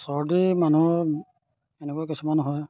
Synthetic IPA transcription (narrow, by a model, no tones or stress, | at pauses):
sɔɹdimanu | enɛkuakisumanɦɔj